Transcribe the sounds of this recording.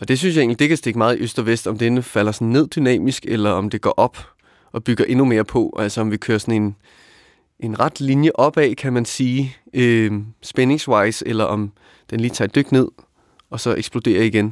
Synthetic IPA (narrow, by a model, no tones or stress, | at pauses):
ɒ̽d̥e̝s̬ynsjɑ̈e̝̰ŋnlid̥e̝kʰæsd̥e̝ɡ̥əmɑ̈ːð̩ˠiʔøsd̥ɒ̽ʋesd̥ɒ̽md̥enəfæl̰ɐsɒn̩ːe̝ð̰ˠd̥ynɛ̰ːmisɡ̥elɐɒ̽md̥e̝ɡ̥ɒ̰ːʔɒ̽b̥ | ɒ̽b̥yɡ̥ɐʔe̝nume̝ːɐpʰɒ̽ʔælsɐɒ̽mʋikʰøːɐsɒn̩e̝n | ʔe̝nʁɑ̈d̥linjəʔɒ̽b̥ɛ̰ːkʰæmænsiː | øsb̥ene̝ŋsʋɑ̈ɪselɐʔɒ̽m | d̥enliːt͡sʰɑ̰̈d̥øɡ̥ne̝ð̰ˠ | ɒ̽sɒ̽ʔeɡ̥sb̥lo̝d̥e̝̰ːɐiɡ̥en